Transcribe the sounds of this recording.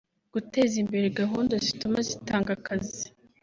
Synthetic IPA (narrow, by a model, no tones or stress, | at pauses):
ɡ̥ute̞ːzimbe̞ɾeɡaɦuːndazitumazitaːŋɡakazi